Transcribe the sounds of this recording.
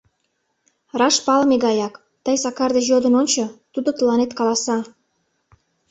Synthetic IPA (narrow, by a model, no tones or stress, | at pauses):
rɑʃpɑlmeɣɑjɑk | t̪əjsɑkɑrd̪ejod̪ənonʲt͡ɕot̪ud̪ot̪əlɑnet̪kɑlɑsɑ